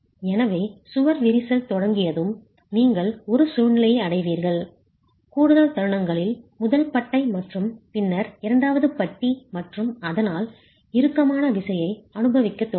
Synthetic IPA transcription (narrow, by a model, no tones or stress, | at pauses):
ɛnɐʋeːsʊʋɐɾʋɪɾɪsɐlt̪ɔɽɐŋɡɪjɐðɯm | niːŋɡɐɭɔɾɯsuːnɪlɐjɐɐɽɐɪʋiːɾɣɐɭ | kuːɽɯðɐlt̪ɐɾɯɳɐŋɡɐɭɪlmʊðɐlpɐʈːɐɪmɐʈrɯmpɪnːɐɾɪɾɐɳɖaːʋɐðɯpɐʈːimɐʈrɯmɐðɐnaːl | ɪɾɯkːɐmaːnɐʋɪsɐjɐɪɐnɯbɐʋɪkːɐt̪ːɔ